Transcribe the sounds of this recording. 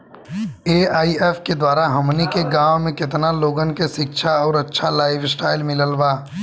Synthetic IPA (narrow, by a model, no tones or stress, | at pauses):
eːaːieːfʰked̪waːɾaɦɐmnikeɡãːwmẽkɪt̪naloːɡənkeʃɪkʃʰaɔːɾɐtːʃʰalaːɪʋsʈaːɪlmɪləlbaː